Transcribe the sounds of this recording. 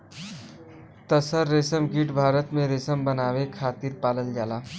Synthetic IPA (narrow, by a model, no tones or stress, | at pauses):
t̪əsəɾːesəmɡiʈbʱaːɾət̪mẽɾesəmbənawekʰaːt̪iɾpaːləld͡ʒala